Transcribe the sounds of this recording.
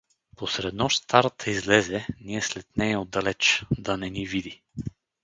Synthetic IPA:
posɾɛd̪nɔʃst̪aɾt̪ʰəizlɛzɛniɛslɛt̪nɛod̪ːɐlɛt͡ʃd̪ɐnɛnivid̪i

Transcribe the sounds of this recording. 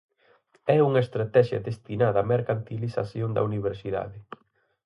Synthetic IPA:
ɛuŋɐest̪ɾat̪ɛʃjɐ̰d̪est̪inaðɐːmeɾkant̪ilisa̰sjond̪ɐ̰uniβ̞eɾsiða̰ðɪ

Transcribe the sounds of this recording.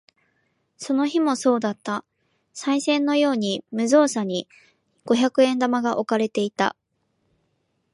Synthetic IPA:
so̞no̞çimo̞so̞ːd̪at̪ːa | saisẽ̞nːo̞jo̞ːɲ̟imɯ̟zo̞ːsaɲ̟i | ɡ̥o̞çakɯ̟ẽ̞nd̪amaɡaʔo̞kaɾe̞t̪e̞it̪a̰

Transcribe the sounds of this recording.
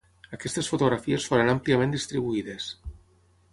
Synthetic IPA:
akest̪esfot̪oɣɾafiesfoɾanampljamẽnd̪ist̪ɾiβuiðes

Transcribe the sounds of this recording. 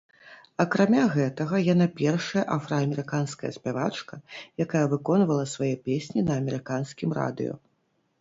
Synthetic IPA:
ɐkɾamʲaɣɛt̪ɐɣɐjanapʲɛrʂɐjɐʔafɾɐːmʲɛɾɨkanskɐjɐ̰sʲpʲavat͡ʂkɐjakajɐvɨkɔnvɐlˠɐsvajɛpʲesʲnʲinɐːmʲɛɾɨkanskʲimra̰d̪ɨ̰jɔ̰

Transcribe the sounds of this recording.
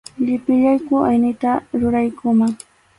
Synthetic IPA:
ʎɪpɪʎajkʊʔajnɪt̪aɾʊɾajkʊmaŋ

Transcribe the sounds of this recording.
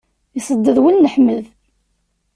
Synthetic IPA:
isˤəd̪ːəðwinːəħməð

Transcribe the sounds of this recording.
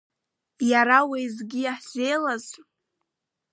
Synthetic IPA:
jaɾawejzɡʲijaħzejlaz

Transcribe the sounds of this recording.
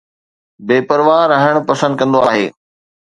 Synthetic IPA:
beːpɐɾʋaːɾːɐɦɪɽ̃pɐsə̃nd̪̚kɐ̃nd̪oaːɦḛː

